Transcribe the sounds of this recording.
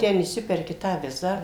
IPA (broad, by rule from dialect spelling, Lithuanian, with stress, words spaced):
ˈtʲɛn ɪʃʲˈsʲɪpʲɛrʲkʲɪ ˈtɑː ˈʋʲɪzɑː